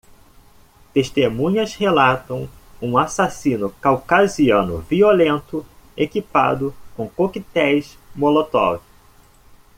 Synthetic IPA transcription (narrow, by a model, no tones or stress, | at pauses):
t̪eʃt̪emũɲɐshelat̪ɐ̃w̃ũasasĩnʊkawkaziɐ̃nʊ̰violẽnt̪ʊekipa̰d̪ʊkõkokit̪ɛjs | molot̪ɔ̰vʊ